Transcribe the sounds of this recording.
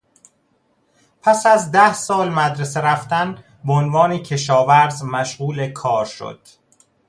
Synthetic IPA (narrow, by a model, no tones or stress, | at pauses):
pʰæsæzd̪æhsɒːlmæd̪ɾeseɾæft̪æn | beonvɒːnecʰe̞ʃɒːvæɾzmæʃɣuːle̞kʰɒːɾʃo̰d̪̥